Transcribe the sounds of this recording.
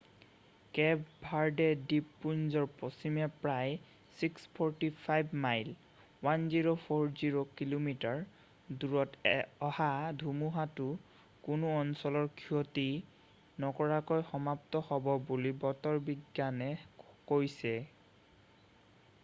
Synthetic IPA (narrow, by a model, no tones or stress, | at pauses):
kɛbbʱaɹdɛdipːunzɔɹpɔsimɛpɹaj | sikspʰɔɹtipʰajbmajl | wanziɹopʰoɹziɹokilomitaɹ | duɹɔtɔhadʱumuɦatʊ | kunuɔnsɔlɔɹkʰiɔti | nɔkɔɹakɔjxɔmap̚tɔhɔbɔbulibɔtɔɹbiɡjanɛkojsɛ